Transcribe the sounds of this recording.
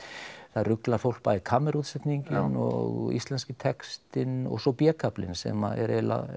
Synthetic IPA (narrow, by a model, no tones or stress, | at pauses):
θarʏklaɾ̥fowl̥k̚paikʰamːɛɾut̪sɛt̪niɲcɪnɔɣḭst̪lɛnscɪt̪ʰɛkst̪ɪnɔ̰ɣsɔpjɛːkʰaplɪ̰nsɛ̰ma̰ɛ̰ɾɛla̰